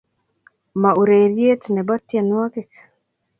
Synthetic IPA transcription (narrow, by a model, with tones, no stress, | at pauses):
ma˨u˨ɾe˨ɾje˦tnɛ˨bɔ˦t̪je˨nwɔ˦kɪ˦k